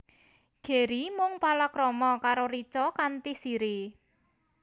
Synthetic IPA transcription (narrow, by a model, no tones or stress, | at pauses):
ɡ̥e̤ɾimʊŋpalakɾɔmɔkaɾoɾit͡ʃɔkant̪isiɾi